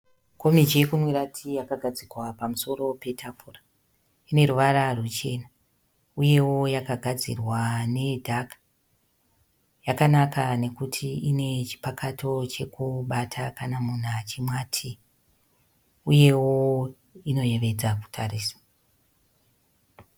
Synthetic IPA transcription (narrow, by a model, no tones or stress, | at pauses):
ko̞mid͡ʒe̞kumwiɾatʰijakaɡʱad͡zikwapamuso̞ɾo̞pe̞tʰapura | ine̞ɾuʋaɾarut͡ʃe̞na | uje̞wo̞jakaɡʱad͡zḭrwane̞dʱakḁ | jakanakane̞kutʰiine̞t͡ʃi̥pakʰatʰo̞t͡ʃe̞kuɓatʰakanamun̤at͡ʃimwaːtʰi | uje̞wo | ino̞je̞ʋe̞d͡zaku̥tʰaɾiːsḁ